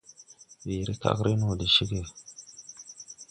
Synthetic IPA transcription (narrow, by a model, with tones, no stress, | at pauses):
wi˨ɾi˦ka̰˦˨kɾi˦nu˨di˨ʃi˦ke˨